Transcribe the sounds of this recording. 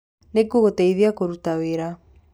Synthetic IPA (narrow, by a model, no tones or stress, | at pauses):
nekoɣotɛiðiakoɾutaweɾa